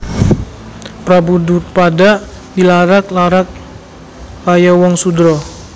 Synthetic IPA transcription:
pɾabudut̪̚padaʔ | dilaɾak̚laɾak̚ | lajawɔŋsudɾɔ

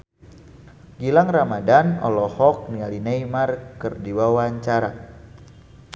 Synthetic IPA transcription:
ɡilaŋramadanɔ̰lɔhɔk̚nialinejmarkərdiwawaɲt͡ʃaɾa

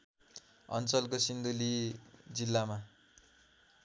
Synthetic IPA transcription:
ʌ̰nt͡sʌlkosind̪ulid͡zilːama

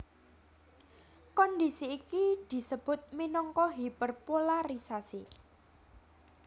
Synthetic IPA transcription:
kɔnd̪isiːkid̪̥i̤səb̥ʊ̤t̪̚minɔŋkɔɦipərpolaɾisasi

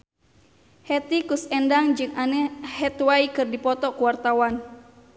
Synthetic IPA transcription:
hɛt̪ikusɛndaŋd͡ʒɨŋanɛhɛt̪waikɨrdipɔt̪ɔkuwart̪awan

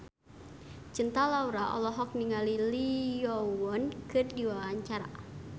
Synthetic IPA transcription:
t͡ʃənt̪alauɾaʔɔ̰lɔɦɔk̚niŋalilijɔwɔnkɨrdiwaaɲt͡ʃaɾa̰

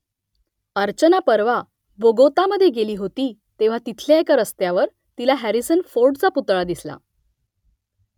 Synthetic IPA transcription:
əɾt͡ɕənapəɾʋa | boɡot̪aməd̪ʱːjeɡeliːɦot̪iː | t̪eʋ̤at̪it̪ʰljaekaɾəst̪jaʋəɾ | t̪ilaɦæɾisənfoɾɖt͡saput̪ɭad̪isla̰

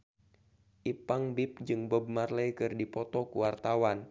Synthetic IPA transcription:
ʔipaŋbɪp̚d͡ʒɨŋbəb̚marlɛjkɨrdipɔt̪ɔkuwart̪awan

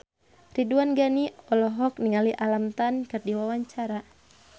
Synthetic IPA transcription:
riduanɡaniɔlɔɦɔk̚niŋaliʔalamt̪ankɨrdiwawaɲt͡ʃaɾa

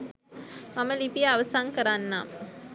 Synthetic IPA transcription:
maməlipijaːʋəsaŋkəɾanːaːm

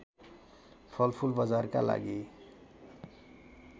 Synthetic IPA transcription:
pʰʌlpʰulbad͡zarkala̰ɡi

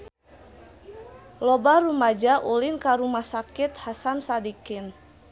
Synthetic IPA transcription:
lɔbaɾumad͡ʒaʔulinkaɾumahsakit̪̚hasansadikɪn

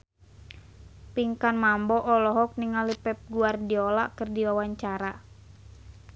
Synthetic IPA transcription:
piŋkanmambɔʔɔlɔɦɔk̚niŋalipɛp̚ɡuardiɔla̰ʔkərdiwawaɲt͡ʃaɾa

